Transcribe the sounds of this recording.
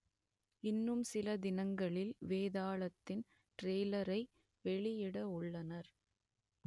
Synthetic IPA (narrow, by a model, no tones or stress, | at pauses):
ɪnːɯmsɪlɐd̪ɪnɐŋɡɐɭɪlʋeːðaːɭɐt̪ːɪn | ʈɾeːlɐɾɐɪ | ʋɛɭɪjɪɽɐʊɭːɐnɐɾ